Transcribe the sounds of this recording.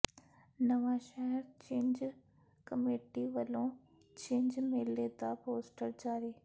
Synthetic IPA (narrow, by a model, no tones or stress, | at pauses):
nɐʋaːʃɛɦɛɾt͡ɕẽːnd͡ʑ | kɐmeːʈiʋɐlõ | t͡ɕẽːɲd͡ʒmeːleːd̪apoːsʈəɾd͡ʑaːɾiː